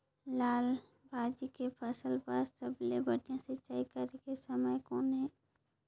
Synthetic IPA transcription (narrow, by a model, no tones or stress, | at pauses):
laːl | bʱaːd͡ʒikepʰəsəlpəɾsəblebəʈjãsɪt͡ʃaːikəɾekesəməjkoːnɦɛː